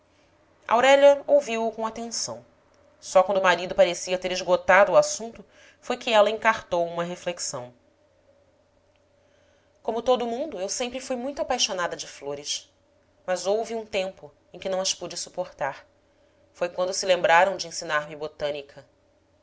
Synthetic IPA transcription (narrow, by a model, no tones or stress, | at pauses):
ʔa̰wɾɛʎɐowviwʊkõat̪ẽsɐ̰̃w̃ | sɔkwɐ̃nd̪ʊmaɾid̪ʊpaɾesiɐt̪eɾɪʒɡot̪ad̪ʊːasũnt̪ʊ | fojkɪɛlɐẽŋkaɾt̪owũmɐɦefleksɐ̃w̃ | kõmʊt̪od̪ʊmũnd̪ʊewsẽmpɾɪfujmũj̃t̪ʊapajʃonad̪ɐd͡ʒɪfloɾɪʃ | mɐzowviũt̪ẽmpʊ | ẽj̃kʲɪnɐ̃w̃ɐʃpud͡ʒɪsu̥poχt̪aɾ | fojkwɐ̃nd̪ʊsɪlẽmbɾaɾɐ̃w̃d͡ʒɪẽsinaɾmɪbot̪ɐ̃nikʰɐ